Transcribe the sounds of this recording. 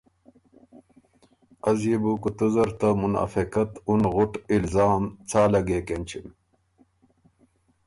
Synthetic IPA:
ɐzjibukut̪uzɐɾt̪ɐmuna̰ːfikɐt̪unɣuʈilzaːmt͡sʰaːlɐɡeːkent͡ɕʰim

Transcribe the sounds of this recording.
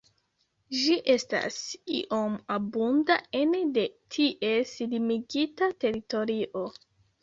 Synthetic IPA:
ʒiʔe̞sta̰sḭʔo̞mabundaende̞tʰiʔe̞silimiɡitate̞ɾito̞ɾiʔo̞

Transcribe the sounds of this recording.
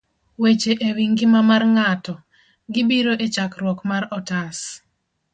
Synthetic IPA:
wet͡ʃeʔewiŋɡɪmamarŋatɔ | ɡɪbiɾoʔet͡ʃakɾwɔkmaɾɔtas

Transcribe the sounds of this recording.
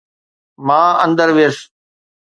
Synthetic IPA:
mãːə̃nd̪əɾʋeəs

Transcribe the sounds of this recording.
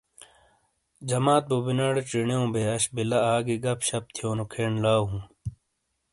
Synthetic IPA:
d͡ʑɐmaːt̪̚bubinɐɽʈ͡ʂiɳeõːbeɐɕbilɐaːɡiɡɐpɕɐp̚t̪ʰijoːnukʰeɳlaːɦũː

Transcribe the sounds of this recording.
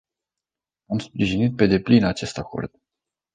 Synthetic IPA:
amspɾiʒinit̪̚pe̞d̪e̞plinat͡ʃe̞st̪ako̞̰rd̪̥

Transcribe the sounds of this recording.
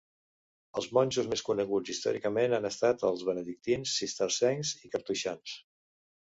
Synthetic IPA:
əlˠzmɔnʲʒuzmeskunəɣ̞ud͡zist̪ɔ̰ɾikəmenanəst̪at̪əlˠzβənəðik̚t̪insːist̪əɾsɛŋzikəɾt̪uʃans

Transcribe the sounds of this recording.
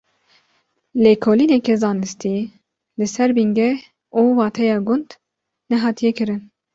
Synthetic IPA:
leːkʰoːliːnɛkɛzɑːnɨst̪i | lɨsɛɾbiŋɡɛ | uːwɑːt̪ʰɛjɑːɡʊnd̪ | nɛɦɑːt̪ʰijɛkɨɾɨn

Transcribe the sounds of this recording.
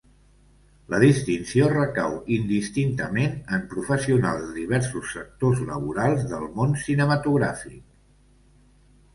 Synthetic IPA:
ləðist̪insiorəkawind̪ist̪int̪əmenəmpɾufəsiuna̰lˠzd̪əðiβɛɾsusːək̚t̪ozlə̰βuɾalˠzðəlˠmonsinəmət̪uɣɾafik̚

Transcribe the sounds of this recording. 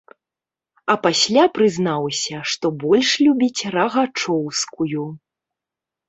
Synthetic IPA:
ɐpasʲlʲapɾɨznawsʲɐʂt̪ɔbɔlʲʂlʲubʲit͡sʲrɐɣat͡ʂɔwskuju

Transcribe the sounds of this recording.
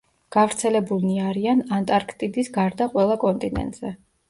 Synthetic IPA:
ɡ̥avɾt̪sʰɛlɛbuniaɾianant̪ʼaɾkʰt̪ʼid̪isɡaɾd̪aqʼwɛlˠakʼɔnt̪ʼinɛ̰nt̪ʼz̥ɛ

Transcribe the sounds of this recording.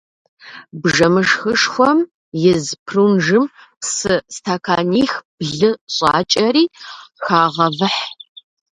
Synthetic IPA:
bʒɐmɨʂxɨʂxʷɔm | jɪzpʰrunʒɨmpsɨstʰaːkʰaːniːxb̥ɮɨɕʼaːt͡ʃʼɐriːxaːʁɐvɨħ

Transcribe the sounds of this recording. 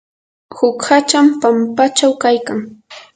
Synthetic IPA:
hʊkhat͡ʃampampat͡ʃawkajkaŋ

